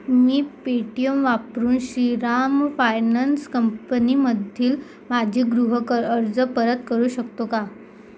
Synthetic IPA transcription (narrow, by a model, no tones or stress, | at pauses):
miːpeʈijəmʋapɾuːnɕiɾamfajnanskəmpəniməd̪ʱiːl | mad͡ʑʱiːɡɾuɦəkəɾəɾd͡zəpəɾət̪kəɾuːɕəkt̪oka